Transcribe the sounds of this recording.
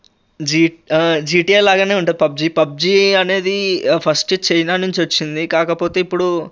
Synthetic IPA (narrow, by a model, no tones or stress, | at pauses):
d͡ʒid͡ʒiːʈieːlaːɡaːne̞ːuɳʈund̪ipɐb̚d͡ʒipɐb̚d͡ʒiːɐne̞ːd̪ipʰɐsʈit͡ʃɐjnaːnuɲt͡ʃiʋɐt͡ʃːind̪ikaːkɐpo̞ːt̪e̞ːipːuɽu